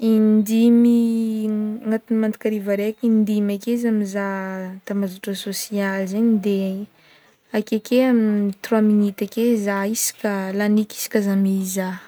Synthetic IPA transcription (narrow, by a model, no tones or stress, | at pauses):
ind̪imi | ŋat̪unimand̪i̥kʲaɾivaɾekind̪imakeizamizat̪amazuʈ͡ʂasosialzaɲid̪e | akekeamit̪rwaminit̪akezaisi̥kʲəlaniki̥si̥kʲazamiza